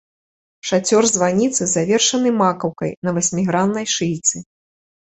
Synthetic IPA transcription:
ʂat͡sʲɔrzvanʲit̪sɨzavʲɛrʂɐnɨmakɐwkɐjnɐvasʲmʲiɣɾanːɐjʂɨjt̪sɨ

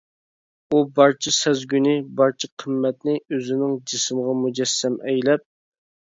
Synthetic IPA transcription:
ubɑɾt͡ʃʰisæzɡʲynɪbɑɾt͡ʃʰiqʰəmːɛt̪nɪøzɪnɪŋd͡ʒismʁɑmud͡ʒɛsːɛmʔɛjlɛp̚

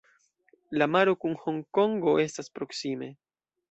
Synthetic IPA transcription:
lamaɾo̞kunho̞ŋko̞ŋɡo̞ʔe̞staspɾo̞ksime̞

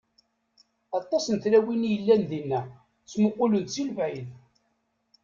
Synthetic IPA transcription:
ɑt̪ˤːɑsənt̪læwinijəlːænðinːæ | t͡sːmʊqːʊlənt̪t͡silvʕið

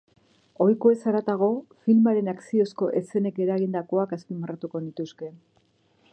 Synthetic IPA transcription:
o̞jko̞e̞saɾat̪aɣo̞filmaɾe̞naksio̞sko̞ʔe̞se̞ne̞ke̞ɾaɣind̪ako̞akaspimarat̪uko̞nit̪uske̞

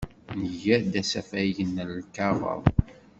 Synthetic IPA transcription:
nəʝæd̪æsæfæjənlkɑʁə̰ðˤ

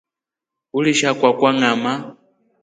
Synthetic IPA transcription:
uliʃakwakwaŋama

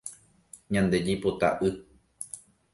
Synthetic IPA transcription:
ɲãnd̪e̞d͡ʒipot̪a̰ʔɨ

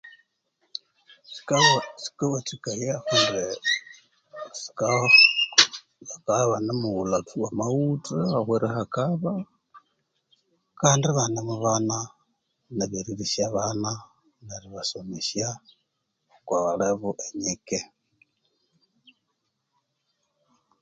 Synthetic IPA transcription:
si̥kt͡si̥kaβat͡sikajahuɾe | si̥ka | akaβanemuulatʰuwamawutaaxweɾehakaβa | kaːndiβanemuβana | neβeɾiɾisjaβana | neɾiβasomisja | kwaβaleβuʔeɲike

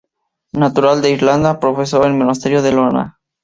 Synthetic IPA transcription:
nat̪uɾald̪eiɾland̪apɾofesoelmonast̪eɾjoðelona̰

